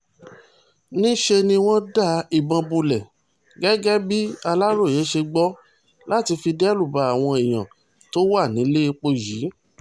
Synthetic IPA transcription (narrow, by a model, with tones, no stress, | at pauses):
nĩ˦ʃe˧nĩ˧w̃ɔ̃˦da˦˨i˨bã˧bu˧lɛ˨ | ɡɛ˦ɡɛ˦bi˦a˧la˦ɾo˦˨je˨˦ʃe˧ɡ͡bɔ˦ | la˦ti˧fi˧dɛ˦lu˦˨ba˨˦a˦˨w̃ɔ̃˧e˨j̃ã̰˨ | to˦wa˦˨nĩ˨˦le˦i˧k͡po˧ji˨˦